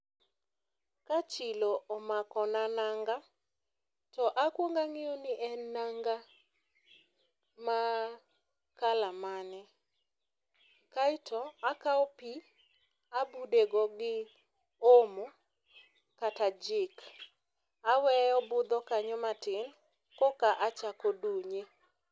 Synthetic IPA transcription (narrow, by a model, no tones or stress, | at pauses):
kat͡ʃɪloɔmakɔnanaŋɡa | tɔʔakwoŋɡaŋɪɔnɪʔɛnaŋɡa | ma | kalamanɛ | kaɪtʰɔakaɔpi | abudeɡɔɡɪ | omo | katad͡ʒɪk | awɛjɔbʊd̪ɔkaɲɔmatɪn | kɔkaʔat͡ʃakɔduɲe